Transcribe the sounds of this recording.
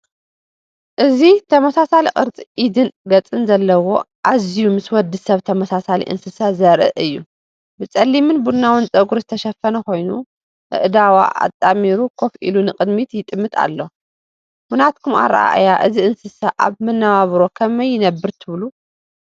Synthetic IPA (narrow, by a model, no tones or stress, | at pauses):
ʔɨzit̪ʰɐmɐsasaliqʼɨɾt͡sʼiʔid̪ɨnɡɐt͡sʼɨnzɐlːɐwo̞ | ʔazijumɨswɔd̪ːɨsɐβt̪ʰɐmɐsasalḭʔɨ̰nsɨsazɐɾʔɨ̰ʔɨjːu | bɨt͡sʼɐlːimɨnbunːawɨnt͡sʼɐɡuɾzɨt̪ʰɐʃɐfɐnɐko̞jnu | ʔɨ̰ʔd̪awa̰ʔa̰t̪ʼːamiɾukʰo̞fʔḭlunɨqʼɨd̪mit̪jɪt̪ʼɨmːɨt̪ʰa̰lːo̞ | munat̪̚kʰuma̰ɾa̰ʔa̰ʔjaʔɨziʔɨnsɨsaʔa̰βmɨnːaβaβɾo̞kʰɐmɐjːɪnɐbːɨɾt̪ʰɨβlu